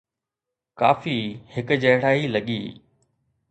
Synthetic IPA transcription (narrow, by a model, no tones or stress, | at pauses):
ka̰ːfihɪk̆d͡ʑɐɦɽ̤aːilɐɠḭː